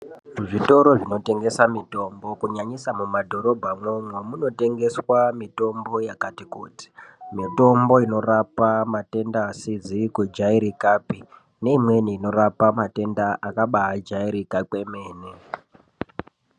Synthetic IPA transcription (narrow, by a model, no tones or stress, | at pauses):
uʐito̞ɾo̞ʐino̞te̞ŋɡe̞samito̞mbo̞kuɲaɲisamumadʱo̞ɾo̞bʱamwomwemuno̞te̞ŋɡe̞swamito̞mbo̞jakatikṵːti̥mito̞mbo̞ino̞rapamate̞ndaːsid͡zikwed͡ʒaiɾikapi | ne̞imwe̞niːno̞ɾapamate̞ndaʔakaɓaːd͡ʒaiɾikake̞meːne